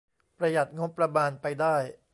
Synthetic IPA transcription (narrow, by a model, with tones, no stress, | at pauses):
pɾa˧ja˨˩t̪̚ŋo˦˥pːɾa˧maː˧npa˧jdaː˥˩j